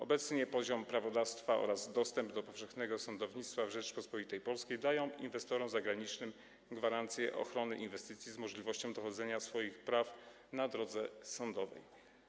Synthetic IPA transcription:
ɔbɛt̪sɲɛpɔʑɔmpɾavɔd̪afst̪faɔ̰ɾazd̪ɔst̪ɛmbd̪ɔpɔfʂɛxnɛɡɔsɔnd̪ɔvɲit̪st̪favʐɛt͡ʂpɔspɔit̪ɛjpɔlskʲejd̪ajɔ̃w̃ḭnvɛst̪ɔɾɔmzaɡɾaɲit͡ʂnɘm | ɡvaɾant̪sʲjɛ̰ʔɔ̰xɾɔnɘʔinvɛst̪ɘt̪sʲjizmɔʐlʲivɔɕt͡ɕɔ̃w̃d̪ɔxɔd̪zɛɲasfɔjixpɾaf | nad̪ɾɔd̪zɛsɔnd̪ɔvɛ̰j

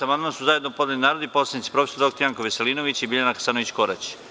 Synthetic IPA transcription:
amand̪mansuzajed̪nopod̪alinaːɾod̪iposlad̪nit̪si̥pɾo̞fesoɾokt̪ojaŋkoʋeseliːnoʋit͡ɕibiʎanakḁsanoʋit͡ɕko̞ɾa̰t͡ɕ

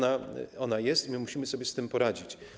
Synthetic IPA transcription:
naɔnajɛst̪mɘmuɕimɘsɔbʲjɛst̪ɘmpɔɾad͡ʑit͡ɕ

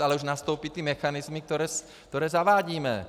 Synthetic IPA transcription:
alɛuʒnast̪uːpit̪iɛmɛxanizmik̚t̪ɔɾɛːs | kt̪ɔɾɛːzaʋaːɟiːmɛ̰

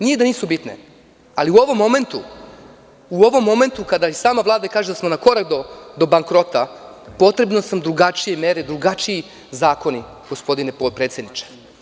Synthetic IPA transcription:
nijed̪aniːsubit̪ne̞̰ | aliuo̞ʋo̞mːo̞me̞nt̪u | uo̞ʋo̞mːo̞me̞nt̪ukad̪aisaːmaʋlˠaːd̪akaːʒed̪asmo̞nako̞ɾakd̪od̪o̞baŋkɾo̞t̪a | po̞t̪ɾe̞bno̞samd̪ɾuɡat͡ʃije̞meːɾed̪ɾuɡat͡ʃii | zaːko̞ni | ɡ̥o̞spo̞d̪ineopɾeːt̪sjed̪nit͡ʃe̥

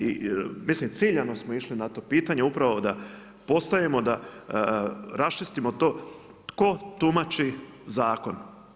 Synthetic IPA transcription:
ḭmislimt̪siːʎano̞smoiʃlinat̪o̞ːpiːt̪aɲeupɾaʋo̞d̪a | po̞st̪ajemo̞d̪a | ɾast͡ʃist̪imot̪o̞ː | t̪ko̞t̪umat͡ʃizaːko̞n

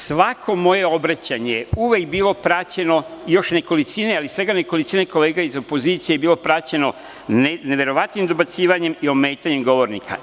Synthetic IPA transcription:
sʋakʰo̞mo̞je̞o̞bɾat͡ɕaɲejeuʋekbiːlˠo̞pɾat͡ɕe̞no̞ijo̞ʃne̞ko̞lit̪sinealisʋe̞ɡaneko̞lit̪sineko̞leːɡaizopo̞ziːt̪sijeebiːlopɾat͡ɕe̞no̞ | eneʋe̞ɾo̞ʋat̪nimd̪o̞bat̪siːʋaɲe̞mio̞meːt̪aɲe̞mɡo̞ʋo̞ɾnḭka̰

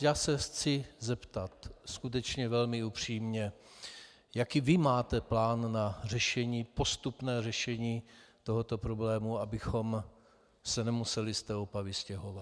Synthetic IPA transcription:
jaːsɛxt͡sɪzɛpt̪at̪skut̪̬ɛt͡ʃɲɛvɛlmɪupr̝̥iːmɲɛ | jakiːvɪmaːt̪ɛplaːnːar̝ɛʃɛɲiːpo̞st̪upnɛːrɛʃɛɲiːt̪oɦot̪o̞pɾo̞blɛːmuabɪxo̞m | sɛnɛmusɛlɪst̪ɛːopavɪscɛɦo̞vat̪

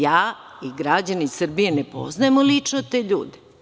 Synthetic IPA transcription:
jaːiɡɾad͡ʑaneisr̩bije̞nepo̰znajemolit͡ʂnot̪e̞ːʎuːd̪e

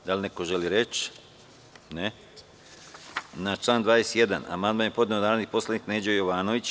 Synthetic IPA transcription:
d̪alʲnekoʒeliɾet͡ʃ | ne | nat͡ʃlˠaːnd̪ʋaːjesje̞d̪a̰na̰mand̪manjepo̞d̪neonaːɾod̪ipo̞slˠad̪niːkneːd͡ʑojoʋaːno̞ʋit͡ɕ

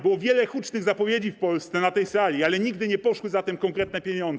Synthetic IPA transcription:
bɘwɔvʲjɛlɛxut͡ʂnɘɣzapɔvʲjed͡ʑifpɔlst̪sɛnat̪ɛjsalʲialɛɲiɡd̪ɘɲɛpɔʂwɘzat̪ɛmkɔŋkɾɛt̪̚nɛpʲjeɲɔnɛ

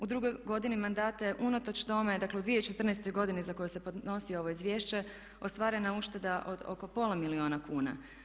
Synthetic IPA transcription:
ud̪ɾuɡojɡo̞d̪inimand̪aːt̪ajeʔunot̪ot͡ɕt̪o̞med̪akle̞ud̪ʋijeit͡ʃe̞t̪r̩nest̪o̞jɡo̞d̪inizako̞juse̞pod̪no̞sio̞ʋo̞izʋje̞ːʃt͡ɕe̞ | ost̪ʋaːɾe̞nauʃt̪e̞d̪aʔo̞d̪o̰kopo̞lamilio̞ːnakuːna̰

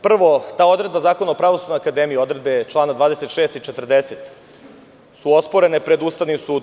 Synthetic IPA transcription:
pr̩ʋo̞t̪aːo̞d̪ɾe̞d̪bazaːkonaopɾaʋo̞sud̪nojakad̪eːmijio̞d̪ɾe̞d̪̚be̞t͡ʃlˠaːnad̪ʋaːd̪e̞set̪ʃeːst̪it͡ʃet̪r̩d̪eset̪ | suo̞spoɾe̞nepɾe̞d̪uːst̪aʋnimsuːd̪

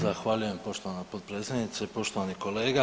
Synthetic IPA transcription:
zaxʋaʎuje̞mpo̞ʃt̪o̞ʋanapot̪̚pɾet̪sjed̪nit̪sepo̞ʃt̪o̞ʋaniko̞le̞ːɡa

